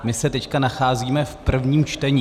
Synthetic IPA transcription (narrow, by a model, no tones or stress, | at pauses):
mɪsɛt̪ɛckanaxaːziːmɛfpr̩vɲiːmt͡ʃt̪ɛɲi